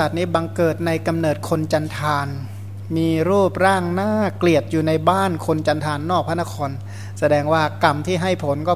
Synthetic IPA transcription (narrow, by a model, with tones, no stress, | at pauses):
a˨˩t̪̚niː˦˥ba˧ŋkɤː˨˩t̪̚na˧jka˧mnɤː˨˩t̪̚kʰo˧nt͡ɕa˧nt̪ʰaː˧n | miː˧ɾuː˥˩p̚ɾaː˥˩ŋnaː˥˩kli˨˩ət̪̚juː˨˩na˧jbaː˥˩nkʰo˧nt͡ɕa˧nt̪ʰaː˧nːɔː˥˩a˥˩nːa˥kʰɔː˧n | sa˧dɛː˧ŋwaː˥˩ka˧mt̪ʰiː˥˩ɦa˥˩jpʰo˩˦nkɔː˥˩